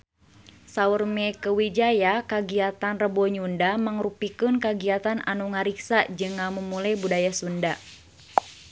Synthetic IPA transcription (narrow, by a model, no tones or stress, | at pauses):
saurmɛkəwid͡ʒajakaɡiat̪anrəbɔɲundaməŋrupikɨnkaɡiat̪ana̰nuŋaɾiksad͡ʒɨŋːamumulajbudajasunda